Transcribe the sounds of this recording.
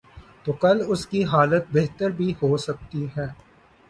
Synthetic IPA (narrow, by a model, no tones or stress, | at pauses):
t̪oːkɐlʊskiɦaːlət̪̚beɦt̪əɾbʱihoːsɐk̚t̪iɦɛː